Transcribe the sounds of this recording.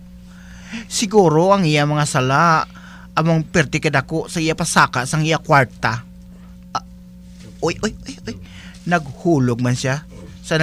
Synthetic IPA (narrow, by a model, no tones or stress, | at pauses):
sɪɡuːɾoɐŋʔɪjamɐŋasɐlaʔ | ʔɐmoŋpɛɾt̪ɪkɐd̪akoʔsɐijapɐsaːkaʔsɐŋɪjakwaɾt̪a | ʔojʔojʔojʔoj | nɐɡ̚huːlʊɡ̚manʃja | sɐ